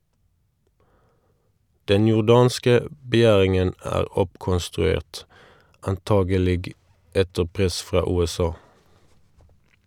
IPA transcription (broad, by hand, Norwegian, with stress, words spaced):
ˈdɛn jʊʁˈdɑːnskə ə bəˈjæːʁɪŋən ˈæːʁ ˈɔpkɔnstʁʉˌeːʁt ɑnˈtɑːɡəˌlɪɡ ˈɛtə ˈpʁɛs ˈfʁɑː ˌʉːɛˈsɑː